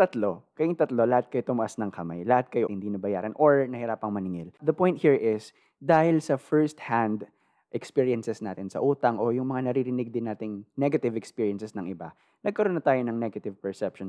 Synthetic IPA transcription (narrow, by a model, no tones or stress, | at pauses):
t̪ɐt̪lokɐjɪŋt̪ɐt̪lo̞lɐhat̪̚kɐjot̪ʊmɐʔasnɐŋkɐma̰jlɐhat̪̚kɐjohɪnd̪inɐbɐjaːɾɐnʔoɹnɐhɪɾaːpɐŋmɐnɪŋɪld̪ɐpojnt̪̚hiɹɪs | d̪aːhɪlsɐfɛɹst̪̚hand̪ | ʔɛkspiɹiɐnsɛsnaːt̪ɪnsɐ̰ʔuːt̪ɐŋʔo̞jʊŋmɐŋanɐɾiɾɪnɪɡ̚d̪ɪnːaːt̪ɪŋnɛɡɐt̪ɪvɛkspiːɹjɐnsɛsnɐŋʔɪba̰ | nɐɡ̚kɐɾonɐt̪aːjonɐŋnɛɡɐt̪ɪvpɛɹsɛpʃon